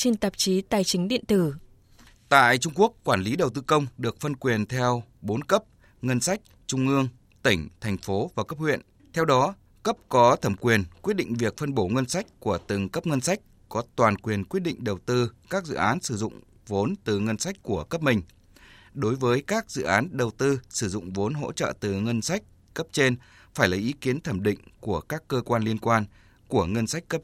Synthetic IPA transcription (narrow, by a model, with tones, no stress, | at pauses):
t͡ɕe˧nt̪ə˨˩p̚t͡ɕi˨˦t̪aː˨˩jt͡ɕï˨˦ŋ̟ɗḭ˧˨ənt̪ɨ˧˩ | t̪a̰ː˧˨jt͡ɕʊ˧ŋ͡mku˦˥əkːwaː˧˩nli˨˦ɗə˨˩wt̪ɨ˧kə˧wŋ͡mɗɨ˨˩ək̚fə˧nkwi˨˩ənt̪ʰɛ˧wɓo˨˦nkə˦˥p̚ | ŋə˧nsa˦˥jk̟̚ | t͡ɕʊ˧ŋ͡mʔɨ˧əŋ | t̪ï˧˩ŋ̟t̪ʰɛ˨˩jŋ̟fo˨˦vaː˨˩kə˦˥p̚hwḭ˧˨ən | t̪ʰɛ˧wɗɔ˨˦ | kə˦˥p̚kɔ˨˦t̪ʰə˧˩mkwi˨˩ənkwi˦˥t̚ɗḭ˧˨ŋ̟vi˨˩ək̚fə˧nɓo˧˩ŋə˧nsa˦˥jk̟̚ku˧˩ət̪ɨ˨˩ŋkə˦˥p̚ŋə˧nsa˦˥jk̟̚ | kɔ˨˦t̪waː˨˩nkwi˨˩ənkwi˦˥t̚ɗḭ˧˨ŋ̟ɗə˨˩wt̪ɨ˧kaː˦˥k̚zɨ̰˧˨ʔaː˨˦nsɨ˧˩zʊ̰˧˨ŋ͡m | vo˨˦nt̪ɨ˨˩ŋə˧nsa˦˥k̟̚ʲku˧˩əkə˦˥p̚mï˨˩ŋ̟ | ɗo˨˦jvəː˨˦jkaː˦˥k̚zɨ̰˧˨ʔaː˨˦nɗə˨˩wt̪ɨ˧sɨ˧˩zʊ̰˧˨ŋ͡mvo˨˦nɦo̰˧˥t͡ɕə̰ː˧˨t̪ɨ˨˩ŋə˧nsa˦˥jk̟̚ | kə˦˥p̚t͡ɕe˧n | faː˧˩jla˨˩jʔi˨˦ki˨˦ənt̪ʰə˧˩mɗḭ̈˧˨ŋ̟ku˧˩əkaː˦˥kːəː˧kwaː˧nli˧ənkwaː˧n | ku˧˩əŋə˧nsa˦˥jk̟̚kə˦˥p̚